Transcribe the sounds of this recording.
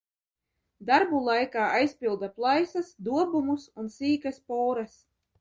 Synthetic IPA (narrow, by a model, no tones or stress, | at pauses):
d̪aɾbulˠajkaːajspʲilˠd̪aplˠajsasd̪uɔbumusunsiːkaspɔːɾas